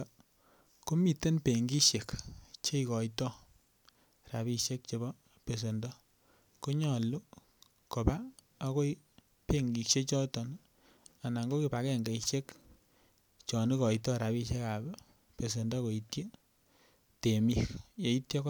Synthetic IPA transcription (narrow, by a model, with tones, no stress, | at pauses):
ko˦mi˨te˦npe˨ŋɡi˦ʃe˨kt͡ʃe˦ikɔ˨jtɔ˦ | ra˨bi˦ʃe˦k̚t͡ʃe˨bɔ˦ | pe˨s̬e˨ndɔ˦ | ku˦ɲɔ˨lu˦ | ko˨pa˦ | a˦ko˦i | pe˦ŋɡi˨kʃe˦t͡ʃɔ˦tɔ˨n | a˨na˨ŋɡo˦ki˨pa˨kɛ˦ŋɡa˨iʃe˦k | t͡ʃɔ˨ni˦kɔ˨jtɔ˦ɾa˨βi˧ʃe˦ka˨b | pe˨s̬e˨ndɔ˦ko˨i˦tje˦ | te˨mi˦kje˨i˦tje˦k